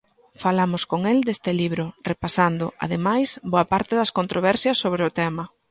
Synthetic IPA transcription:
falamʊskoŋeld̪est̪ɪliβɾʊrepasand̪ʊʔa̰ðemajsboɐpaɾt̪ɪðɐskont̪ɾoβ̞ɛɾsjɐsːoβɾɪʊt̪ɛmɐ

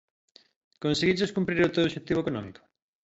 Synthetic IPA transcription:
konseɣid͡ʒeskumpɾiɾot̪oðoʃet̪ːiβoekonɔmiko̥

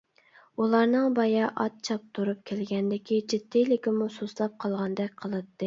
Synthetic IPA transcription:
ulˠɑɾnɨŋbɑjɑʔɑ̰t̪̚t͡ʃʰɑp̚t̪ʰuɾup̚kʲʰelɡʲɛnd̪ɪkʲid͡ʒid̪ːilɪkʲimusoslˠɑp̚qʰɑlˠʁɑnd̪ɛk̚ʲqʰəlˠɨt̪ʰːɨ

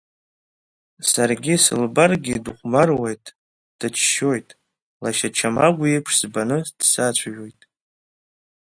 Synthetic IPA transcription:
sarɡʲisɨ̰lbarɡʲiduχʷmarwejtʼ | d̥at͡ʃʰʃo̞jtʼ | laʃat͡ʃʰamaɡʷujepʰʂz̥banɨd̥sat͡ɕʷʰaʒᶣo̞jtʼ

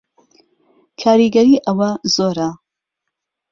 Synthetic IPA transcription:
kʰaːɾiɡɐɾiːʔɐwɐzoːɾɐ

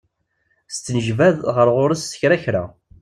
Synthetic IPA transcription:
st͡s̪ːənəʒvæðʁəɾʁʊɾəsə̥çɾæçɾa̰

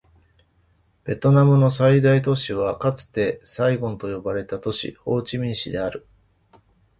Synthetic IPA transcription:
b̥e̞t̪o̞namɯ̟no̞said̪ait̪o̞ɕiβ̞akat͡sɨ̥t̪e̞saiɡõ̞nt̪o̞jo̞baɾe̞t̪at̪o̞ɕḭho̞ːt͡ɕimʲĩɰ̃ɕid̪e̞aɾɯ̟

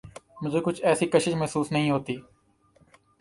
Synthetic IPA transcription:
mʊ̃zeːkʊt͡ʃʰɛːsiːkəʃɪt͡ʃməɦsuːsnəɦĩːɦoːt̪iː

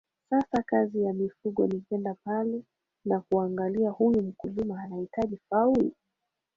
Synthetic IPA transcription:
sasakazijamifuɠɔnipɛndapalɛ | nakuaŋɡaliahujum̩kulimaːnahitaʄifauli

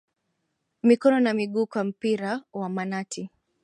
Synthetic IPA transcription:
mikɔnɔnamiɠuːkwam̩piɾawamanatʰi

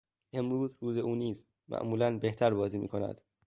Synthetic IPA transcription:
ʔe̞mɾuːzɾuːze̞ʔuːniːz | mæ̰ʔmuːlænbe̞ht̪ʰæɾbɒːziːmḭːkʰo̞næ̰d̪̥

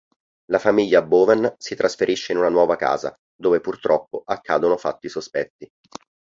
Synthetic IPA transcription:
lafamiʎːaboːvɛnsit̪ɾasfeɾʔiʃːeinunanwɔːvaka̰ːza̰ | d̪oːvepurt̪ɾɔpːoʔakːaːd̪onofa̰t̪ːisospɛt̪ːi

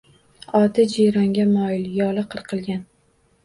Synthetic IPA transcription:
ɒd̪ɪd͡ʒijɾɒŋɡʲamɒjɪljɒlɨqʰɨɾqʰɨlˠɡʲan

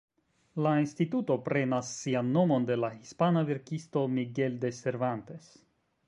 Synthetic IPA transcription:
lainstituto̞pɾe̞nasːianːo̞mo̞nde̞lahispanaveɾkisto̞miɡe̞lde̞se̞ɾvante̞s

